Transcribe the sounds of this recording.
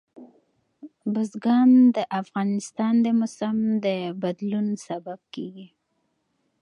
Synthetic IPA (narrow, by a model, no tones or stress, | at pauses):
bʊzɡɑnd̪əʔafɣɑnɪst̪ɑnd̪əmʊsamd̪əbad̪lunsabab̚keɡi